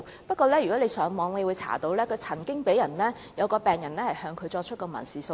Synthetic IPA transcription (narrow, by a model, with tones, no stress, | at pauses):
pɐ˥t̚kɔː˧lɛː˥jy˨kɔː˨˥le˨˧jsœː˨˥ŋmɔː˨˧˥ŋle˨˧jwuː˨˧jt͡sʰa̰ː˨˩t̪o˨˧˥wlɛː˥kʰɵ˨˧t͡sʰɐ˨˩ŋkɪ˥ŋpe˨˥jɐ˨˩nlɛː˥ | jɐ˨˧wkɔː˧pɛː˨ŋjɐ˨˩nlɛː˥hɐ˨jhœː˨˧ŋkʰɵ˨˧ɥt͡ʃɔː˧k̚t͡ʃʰɵ˥kɔː˧mɐ̰˨˩nsiː˨˩so˧